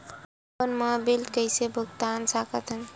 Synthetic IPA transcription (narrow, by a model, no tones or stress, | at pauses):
pənmabilkəɪsebʱuɡt̪ansakət̪ən